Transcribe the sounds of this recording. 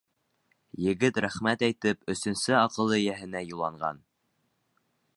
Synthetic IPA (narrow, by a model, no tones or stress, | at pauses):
jɘ̆ɡɘt̪ɾæχmæt̪æjt̪ɘpɵ̆sɵ̆nsɘɑqɤ̆lˠɤjæɦɘ̆næjulˠɑɴɢɑ̰n